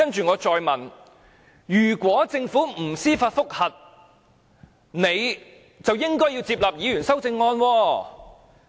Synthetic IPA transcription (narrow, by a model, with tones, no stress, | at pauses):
ɐ˥nt͡ʃyː˨ŋɔː˨˧t͡ʃɔː˨jmɐ˨˩n | jyː˨˩kʷɔː˨˥t͡sɪ˧ŋfuː˨˥m̩˨˩siː˥faː˧t̚fʊ˥k̚hɐ˨t̚ | ne˨˧j | t͡sɐ˨wjɪ˥ŋkɔː˥jiː˧wt͡siː˧p̚laː˨p̚jiː˨˧jyː˨˩nsɐ˥wt͡sɪ˧ŋːɔː˧nwɔː˧